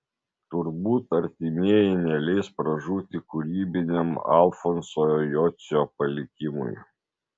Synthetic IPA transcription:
t̪ʊɾbuːt̪ɐɾʲt̪ʲimʲiɛjɛɪnʲɛlʲɛɪspɾɐʒuːt̪ʲɪkʊɾʲiːbʲɪnʲɛmɑ̰lˠfɔnsojojɔːsʲopɐlʲɪkʲɪmʊ̰j

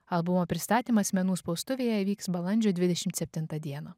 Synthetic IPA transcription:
ɐlˠbʊmoːpʲɾʲɪst̪ɑːt̪ʲiːmɐsʲmʲɛnuːspɒʊst̪ʊʋʲeːjɛʋʲiːksbɐlˠɐnʲd͡ʒʲʊd̪ʲʋʲɪd̪ʲɛʃʲɪmt̪sʲɛpʲt̪ʲɪnt̪ɐd̪ʲiɛnɐ

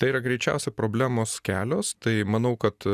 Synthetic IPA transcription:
t̪ɐɪiːɾɐɡɾʲɛɪt͡ʃʲɛ̰ʊsʲepɾoːbʲlʲæːmoːskʲæːlʲoːst̪ɐɪmɐnɐʊkɐt̪

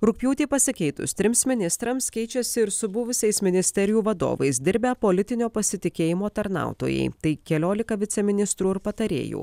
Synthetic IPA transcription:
ɾʊk̚ʲpʲjuːt̪ʲeːpɐsʲɪkʲɛɪt̪ʊ̰st̪ʲɾʲɪmsmʲɪnʲɪst̪ɾɐmskʲɛɪt͡ʃʲɛsʲɪɪɾsʊbʊʋʊsʲɛɪsmʲɪnʲɪsʲt̪ʲɛɾʲɪjuːʋɐd̪o̰ːʋɐ̰ɪs̬d̪ʲɪɾʲbʲɛpolʲɪt̪ʲɪnʲoːpɐsʲɪt̪ʲɪkʲeːjɪmoːt̪ɐɾnɑ̰ˑʊt̪o̰ːjɛ̰ɪt̪ɐɪkʲɛlʲoːlʲɪkɐʋʲɪsʲɛmʲɪnʲɪst̪ɾuːɪɾpɐt̪ɐɾʲḛːjṵː

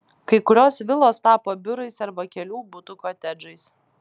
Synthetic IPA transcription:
kɐɪkʊɾʲoːsʋʲɪlˠoːst̪ɑːpoːbʲʊɾɐɪsɐɾbɐkʲɛlʲuːbʊt̪ʊkoːt̪ʲɛd͡ʒɐɪs

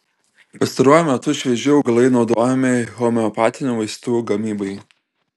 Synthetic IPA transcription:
pɐst̪ɐɾuɔjʊmʲɛt̪ʊɪʃʲʋʲɛʒʲɪɔʊɡɐlˠɐɪnɒʊd̪oːjɛmʲɪxɔmʲɛɔpɑːt̪ʲɪnʲuːʋɐɪst̪uːɡɐmʲiːbɐɪ

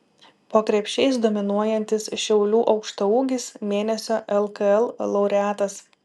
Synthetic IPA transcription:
poːkɾʲɛpʲʃʲɛɪsd̪oːmʲɪnuɔjɛnʲt̪ʲɪsʃʲɛʊlʲuːʔɒʊkʃt̪ɐuːɡʲɪsmʲeːnʲɛsʲoːʔɛlˠkɐɛlˠlˠɐʊɾʲɛæːt̪ɐs

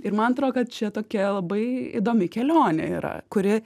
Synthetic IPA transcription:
ɪɾmɐnɐt̪ɾoːd̪kɐt̪̚t͡ʃʲɛt̪oːkʲɛlˠɐbɐɪḭd̪oːmʲɪkʲɛlʲoːnʲɛ̰ḭːɾɐ̰kʊɾʲɪ

